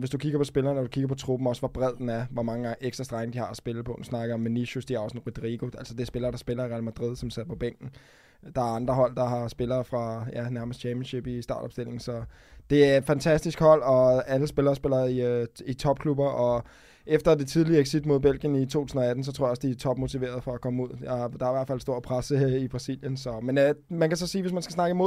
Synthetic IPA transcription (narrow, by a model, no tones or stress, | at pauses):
ʋe̝sd̥ukʰiɡ̥ɐpʰɒ̽sb̥e̝lɐːnɒd̥ukʰiɡɐpʰɒ̽t͡sʰʁub̥m̩ɒ̽sʋɒb̥ʁɛð̰ˠd̥en̩æɐʋɒmɑ̈ŋə̈ŋeɡ̥sd̥ʁɐsd̥ʁäɡ̥n̩d̥ihɑ̈æsb̥eləpʰɒ̥̽nsnɑ̈ɡ̥ð̩ˠɒ̽mːeniɕusd̥iæɐɒsn̩ʁud̥ʁiɡ̥o̝æl̰sɒd̥eæsb̥e̝lɐːɾ̥ɑ̈sb̥e̝lɐiʁɛælmæd̥ʁið̞̰ˠsɒ̽msæð̰ˠpʰɒ̽b̥eŋ̰ɡ̥n̩ | d̥ɑ̈æɐɑ̈nd̥ʁɐɦɒ̽l̰d̥ɑ̈hɑ̈sb̥e̝lɐːfʁɑ̈jænæɐməsd̥ʰɛmjən̩ɕe̝b̥isd̥ɑ̈ːd̥ɒ̽bsd̥e̝l̰e̝ŋ̩sɒ̽ | d̥e̝æfænt͡sʰæsd̥isɡ̥hɒ̽l̰ɒ̽æləsb̥e̝lɐːsb̥e̝lɐiit͡sʰɒ̽b̥kʰlub̥ɐʔɒ̽ | ʔefd̥ɐd̥e̝t͡sʰið̞ˠliɐeɡ̥sid̥mo̝ð̰ˠb̥elɡ̥jənit͡sʰo̝̰t͡sʰusn̩ɒ̽æd̥n̩sɒt͡sʰo̝̰jɒ̽sd̥it͡sʰɒ̽b̥mot͡sʰiʋe̝̰ːɐð̞ˠfɒ̽ækʰɒ̽məuð̞̰ˠjɑd̥ɑ̈æɐiʋæɐ̰̥fæl̰sd̥o̝ɐ̰pʰʁasəib̥ʁɑ̈sil̰jənsɒ̽menmænkʰæsɒ̽siːʋe̝s̬mænsɡ̥æsnɑ̈ɡ̥əmo̝ð̰ˠ